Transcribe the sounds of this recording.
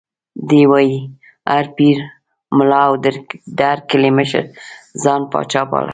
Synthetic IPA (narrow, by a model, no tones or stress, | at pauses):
d̪ewɑji | aɾpiɾ | mʊlɑawd̪d̪əaɾkɪleməʃə̰ɾzɑnpɑ̰t͡ʃɑpɑ̰la̰